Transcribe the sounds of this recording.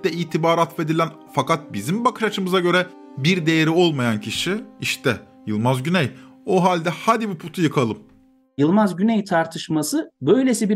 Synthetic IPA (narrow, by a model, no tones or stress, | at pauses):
ɛiːt̪ʰibaːɾat̪ve̞d̪ilʲæn | fakat̪̚bizimbakʰɯ̥ʃat͡ʃʰɯmɯzaɟø̞ɾɛ | biɾd̪e̞jeɾio̞lˠmajancʰiʃiiʃt̪ʰɛ | jɯlˠmazɟynɛjoɦalʲd̪ɛhad̪ibupʰut̪ʰujɯkʰalˠɯm | jɯlˠmazɟynɛjt̪ʰaɾt̪ʰɯʃmasɯbø̞jlʲesibi